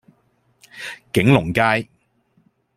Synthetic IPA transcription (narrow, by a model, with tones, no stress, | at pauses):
kɪ˨˥ŋlʊ˨˩ŋkaː˧j